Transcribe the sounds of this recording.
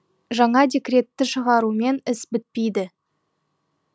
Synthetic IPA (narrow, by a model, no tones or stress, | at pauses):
ʒɑɴɑd̪ʲe̞kʲre̞t̪ːɪʃəʁɑɾume̞nɪsbɪt̪̚pejd̪ɪ